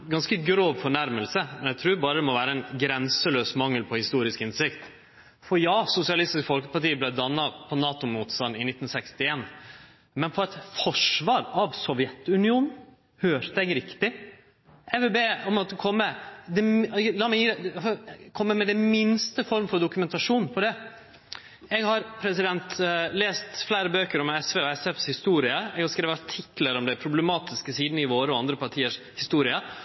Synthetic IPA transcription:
ɡɑnskəɡɾoːʋfɔɳæɾməlsəmɛnjæt̪ʰɾʉːɾbɑːɾəd̪ɛmɔʋæːɾəɛnɡɾɛnsəløːsmɑŋːəlpʰɔhɪst̪uːɾɪskɪnsɪkt̪ | fɔɾjɑːsʊsɪɑlɪst̪ɪskfɔlkə̥pɑʈiːblæɪd̪ɑnːɑpʰɔnɑːt̪ʊmuːt̪st̪ɑnɪnɪt̪ːn̩sɛkst̪ɪeːn | mɛnfɔɾɛt̪fɔʂʋɑːɾɑʋsɔʋjɛt̪ːʉnɪuːnn̩ | høːɾt̪əɛɡɾɪkt̪ɪ | ʔɛʋɛbeːɔmɔt̪ːəkʰɔmːəd̪ɛlɑːmɛjiːd̪ɛ | kʰɔmːəmɛd̪ɛmɪnst̪əfɔɾmfɔɾd̪ʊkʉmɛnt̪ɑʂuːnpʰɔd̪ɛ | ɛɡhɑɾpʰɾɛsɪd̪ɛnt̪leːst̪flæːɾəbøːkəɾɔmɛsʋeːɔɛsɛfshɪst̪uːɾɪəɛɡɑskɾeːʋəɑʈʰɪkləɾɔmd̪ɛɪpʰɾʊblɛmɑːt̪ɪskəsiːd̪nəɪʋoːɾəɔɑnd̪ɾəpʰɑʈʰiːəʂ | hɪst̪uːɾɪə

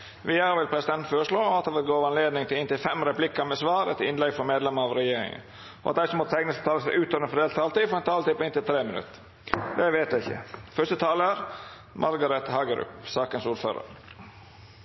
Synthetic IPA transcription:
ʋɪjɑːɾʋɪlpʰɾɛsɪd̪ɛnt̪̩føːɾəʂɭoːɑt̪̚d̪ɛːʋɪlɡoːʋɑnleːd̪nɪŋt̪ʰɪlɪnt̪ɪlfɛmɾɛpʰlɪkːɑmɛsʋɑːɾɛ̰t̪ɪnlɛɡfɔmeːd̪lɛməɾɑʋɾɛjeːɾɪ̰ŋə̰n | ʔɔ̰ʔɑt̪̚d̪æɪsəmɔt̪sɛŋnəst̪ʰɑːləsæʔʉːt̪ɔənfɔd̪eːlt̪ʰɑːlt̪iːfɔɾɛnt̪ʰɑːlt̪iːpɔɪnt̪ɪlt̪ʰɾeːmɪnʉ̰t̪ː | d̪ɛʋeːt̪æɪçːə̰fœʂst̪ət̪ʰɑːləəɾ | mʔɑɾɡɑɾɛt̪hɑːɡəɾʏ̰psɑːkənsuːɾfø̰ːɾə̰ɾ

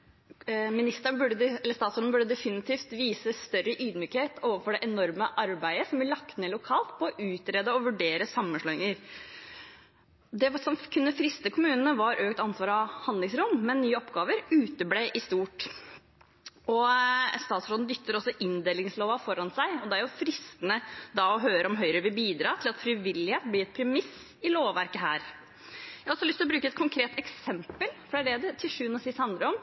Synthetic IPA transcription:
mɪnɪst̪əɾəɳbʉɖəɛlːəst̪ɑːt̪sɾoːd̪n̩bʉɖːəd̪ɛfɪnɪt̪ʰiːft̪ʋiːsəst̪œɾəʔyːd̪myːkheːt̪ʰoːʋəɾfɔɖɛʔɛnɔɾməʔɑɾbæɪəsɔmbɪɭɑkt̪neːlʊkʰɑːlt̪pʰɔɔʔʉːt̪ɾeːd̪əɔʋʉɖeːɾəsɑmːənʂɭɔːɪŋəɾ | d̪ɛsɔmkʰʉnːəfɾɪst̪əkʰʊmʉːnənəʋɑɾʔøːkt̪ɑnsʋɑːɾɑhɑnd̪lɪŋsɾʊmmɛnːyːəɔpɡɑːʋəɾʉːt̪əbleʔɪst̪uːʈ | ɔst̪ɑːt̪sɾoːd̪n̩d̪ʏkt̪ːəɾɔsːɔʔɪnd̪eːlɪŋsloːʋɑfɔɾɑnsæɪɔd̪ɛæɾjʊfɾɪst̪ənəd̪ɑɔɦøːɾəɔmɦœʏɾəʋɪbiːd̪ɾɑːt̪ʰɪlɑt̪fɾɪʋɪlːɪheːt̪bliːɛt̪̚pʰɾɛmɪs | ɪloːʋʋæɾkəɦæːɾ | jæhɑɔsɔlʏst̪ɪlɔbɾʉːkəɛt̪̚kʰʊŋkʰɾeːt̪ɛksɛmpəlfɔɾæɖeːd̪ət̪ʰɪlʂʉːnɔsɪst̪hɑnd̪ɾəɔm

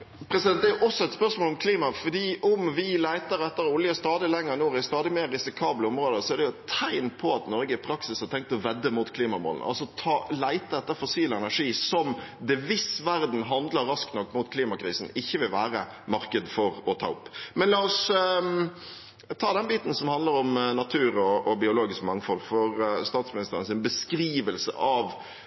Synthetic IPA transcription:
pʰɾɛsɪɛnt̪d̪ɛæʔɔsːɔɛt̪spœʁsmoːlɔmkʰliːmɑfɔdiːʔʊmʋɪlæɪt̪əɾɛt̪ːəɾɔʊljəst̪ɑːd̪ɪlɛŋːəɾɛnoːɪst̪ɑːd̪ɪmeːɾːɪsɪkʰɑːbləɔmɾoːd̪əsɔædɖɛjʊt̪ʰæɪnpʰɔɑt̪nɔɾɡəɪpʰɾɑksɪshɑt̪ʰɛŋk̚t̪ɔʋɛd̪ːəmut̪kʰliːmɑmo̰ːlənə̰ʔɑ̰lsɔt̪ʰɑːlæɪt̪əd̪ɛt̪ːəfɔsiːləɛnæʂiːsɔmd̪ɛʋɪsʋæɾd̪n̩ɦɑnd̪ləɾɾɑskt̪nɔkːmuːt̪̚kʰliːmɑkɾiːsn̩ɪçːəʋɪlʋæːɾə | mɑɾkəd̪fɔɾɔt̪ʰɑ̰ːʊpːmɛnlɑːɔs | t̪ʰɑːd̪ɛnbiːt̪n̩sɔmhɑnd̪ləɾɔmnɑt̪ʰʉːɾɔɔbɪʊloːɡɪskmɑŋfɔlfɔɾst̪ɑːt̪smɪnɪst̪əɾənəsɪnbəskɾiːʋəlsə̰ʔɑʋ

